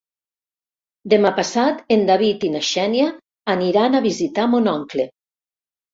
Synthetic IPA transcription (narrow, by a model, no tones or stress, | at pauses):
d̪emapasat̪end̪aβit̪inaʃɛnjaː | niɾanaβizit̪amonɔŋkle